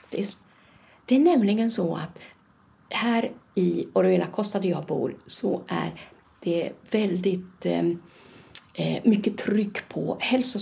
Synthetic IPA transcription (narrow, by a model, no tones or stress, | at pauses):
t̪ɪs | d̪̥ɛæɳɛmlɪɡənsɔa̰t̪ | hæːɾɪɔɾɛːlakʰɔst̪ad̪əjɑːɡ̚bṵːɾsɔʔæ̰ɾ | d̪̥ɛvɛld̪ɪt̪ | mʏkːət̪ʰɾʏkːpʰɔ̰hɛlsʊ